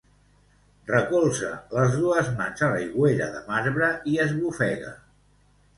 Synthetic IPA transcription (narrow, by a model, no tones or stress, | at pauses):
rəkolˠsə̰ləzðuəzmanzaləjɣweɾə̰ðəmazβɾəiəzβufɛɣə̰